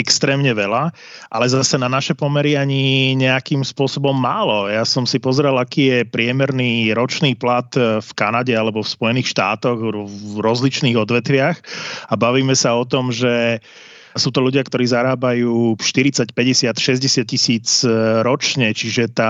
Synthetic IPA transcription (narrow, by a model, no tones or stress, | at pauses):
ɛkst̪ɾɛːmɲɛʋɛla | ʔa̰lɛzasɛnanaʃɛpɔmɛɾiaɲiɲɛakimspʊɔsɔbɔmːaːlɔjasɔmsipɔzɾɛlakiːjɛpɾɪɛmɛɾniːɾɔt͡ʃniːplat̪fkanaɟɛalɛbɔfspɔjɛniːxʃt̪a̰ːt̪ɔɣɾɔzlit͡ʃniːɣɔd̪ʋɛt̪ʋɪaxabaʋiːmɛsaɔt̪ɔmʒɛ | suːt̪ɔʎuɟɪakt̪ɔɾiːzaɾaːbajuːʃt̪iɾit͡sacpɛɟɛsɪat̪ʃɛzɟɛsɪat̪̚cisiːd͡zɾɔt͡ʃɲɛt͡ʃiʒɛt̪a